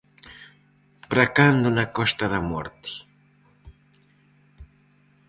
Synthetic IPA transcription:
pɾakand̪unakɔst̪aðamɔ̰ɾt̪i̥

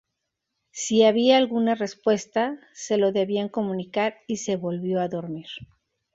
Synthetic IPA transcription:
siaβiaːlɣunare̞spwe̞st̪ase̞lo̞ðe̞βiaŋko̞mũnikaɾise̞βo̞lβjo̞aðo̞ɾmiɾ

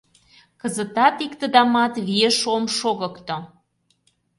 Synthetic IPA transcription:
kəzə̆t̪ɑt̪ikt̪ə̆d̪ɑmɑt̪βieʃomʃoɣə̆kt̪o

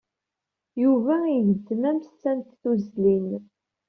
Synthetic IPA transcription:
juvæiʝəd̪ːmæmst͡sːænt̪θuzlin

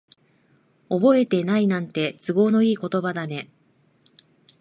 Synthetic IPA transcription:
o̞bo̞e̞t̪e̞nainãnt̪e̞t͡sɨɡo̞ːnoiːko̞t̪o̞bad̪ane̞

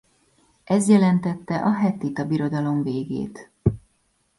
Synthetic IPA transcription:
ʔɛzjɛlɛnt̪ɛt̪ːɛʔɒɦɛt̪it̪ɒbiɾo̞d̪ɒlo̞ɱveːɡḛːt̪

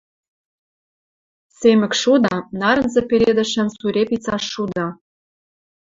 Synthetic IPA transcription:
semɘ̆kʃud̪ɑnɑɾɤ̆nzĕpeɾʲed̪ɘ̆ʃɘ̆nsuɾʲepit͡sɑʃːud̪ɑ

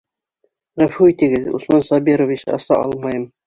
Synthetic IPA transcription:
ʁæfuit̪ɘ̆ɡɘðṵsmɑnsɑbiɾovit͡ɕɑ̰sɑ̰ʔɑ̰lˠmɑjɤm

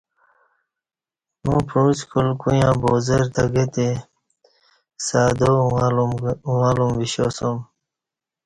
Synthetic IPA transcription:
mũpʰuːskulkujãːboːzeɾt̪ɐɡet̪e | saːd̪olaːlumʋiɕosom

